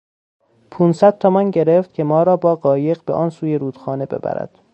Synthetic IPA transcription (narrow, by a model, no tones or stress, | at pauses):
pʰuːnsæd̪̥̚t̪ʰomænɟe̞ɾe̞ft̪̚cʲʰe̞mɒːɾɒːbɒːɢɒːje̞ɢbeʔɒːnsuːje̞ɾuːd̪̥xɒːne̞be̞̰bæ̰ɾæ̰d̪̥